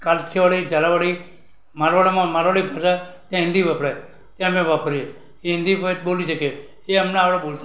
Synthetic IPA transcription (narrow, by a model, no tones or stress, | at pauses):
kalt͡ʃʰeʋaɽid͡ʒalaʋaɽi | maɾʋaɽamãmaɾʋaɽibʱaʃat̪jãɦɪ̃nd̪ibapɽa | t̪jãmẽʋapʰəɾie | eɦɪ̃nd̪ipəbolit͡ʃʰekeː | əmneapɽebolt̪a